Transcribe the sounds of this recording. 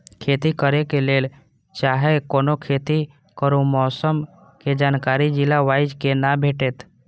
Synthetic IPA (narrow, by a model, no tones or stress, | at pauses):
kʰet̪ikəɾekeleːl | t͡ʃaːɦekoːnokʰet̪i | kəɾumɔːsəm | ked͡ʒankaɾid͡ʒɪlaʋaɪd͡ʒkenabʱeʈeːt̪